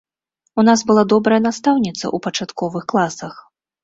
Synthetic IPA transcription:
unasbɨlˠad̪ɔbɾɐjɛnast̪awnʲit̪sɐ̰ʔupɐt͡ʂat̪kɔvɨxklˠasɐx

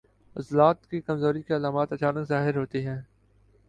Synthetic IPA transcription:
ɐzlaːt̪kikɐmzoːɾikeɐlaːmaːt̪ɐt͡ʃaːnəkzaːɦɪɾɦoːt̪iɦɛ̃ː

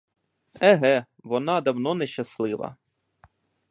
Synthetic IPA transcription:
ɛɦɛ | ʋɔnɑd̪ɐwnɔnɛʃt͡ʃɐslˠɪʋɐ̰

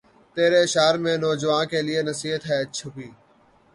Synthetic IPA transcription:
t̪eːɾeːɪʃaːɾmẽːnɔːd͡ʒəʋãːnkeːlɪeːnəsiːɦət̪ɦɛːt͡ʃʰʊpiː

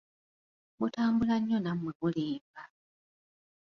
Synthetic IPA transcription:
mutaːmbulaɲːonamweβuleːmba

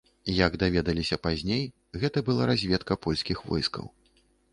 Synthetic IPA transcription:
jaɡd̪avʲɛd̪ɐlʲisʲɐpazʲnʲej | ɣɛt̪ɐbɨlˠaɾazʲvʲɛt̪kɐpɔlʲskʲixvɔ̰jskɐ̰w

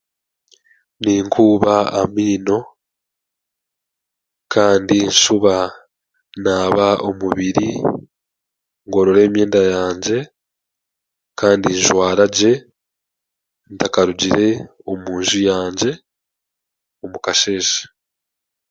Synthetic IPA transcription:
niːŋkʰuːβaamiːno̞ | kaːndinʃuβa | naːβao̞muβiɾi | ŋɡo̞ɾoɾe̞ːmje̞ːndajaːɲɟe̞ | kaːndiɲʒwaːɾaɟe̞ | ntakaɾuɟiɾe̞o̞muːnʒujaːɲɟe̞ | omukaʃe̞ːʃḁ

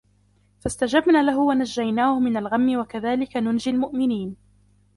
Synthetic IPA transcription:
fast̪ad͡ʒabnaːlaɦʊwanaʒːajnaːhʊmɪnalɣamːɪwakaðaːlɪkanʊnd͡ʒɪlmʊʔmɪniːn

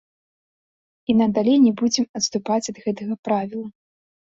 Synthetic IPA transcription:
inɐd̪alʲejnʲɛbud͡zʲɛmɐt̪st̪upat͡sʲɐd̪ɣɛt̪ɐɣɐpɾavʲilˠɐ

